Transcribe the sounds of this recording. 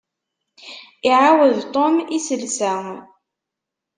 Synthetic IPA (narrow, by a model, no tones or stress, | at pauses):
iʕawəðt̪ˤomisəlsæ